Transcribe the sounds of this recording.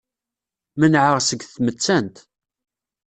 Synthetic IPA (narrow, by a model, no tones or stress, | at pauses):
mənʕəʁsəɡθmət͡sːænt̪